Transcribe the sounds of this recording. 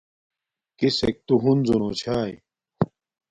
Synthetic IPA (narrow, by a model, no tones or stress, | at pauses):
kisek̚t̪uɦunzunot͡ɕʰaːj